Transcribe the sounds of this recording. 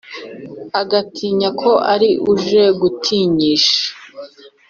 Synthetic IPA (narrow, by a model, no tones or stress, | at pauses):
aɡatʰiːɲakʰo̞ʔaɾiʔuʒe̞ɡutʰiːɲiːʃḁ